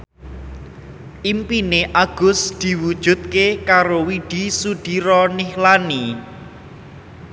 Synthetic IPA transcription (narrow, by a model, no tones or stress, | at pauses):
ʔimpineʔaɡ̥ʊ̤sd̪̥i̤wud̥ʒ̥ṳt̪̚kekaɾowiɖ̥i̤sud̪̥iɾɔnihlani